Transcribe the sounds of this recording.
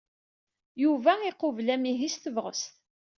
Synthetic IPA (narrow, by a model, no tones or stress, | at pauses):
juvæiqʊvlæmiɦist̪əvʁəst̪